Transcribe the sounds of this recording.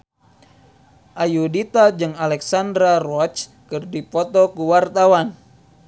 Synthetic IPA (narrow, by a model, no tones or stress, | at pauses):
ʔajudit̪ad͡ʒɨŋalɛksandɾarɔt͡ʃ | kɨrdipɔt̪ɔkuwart̪awan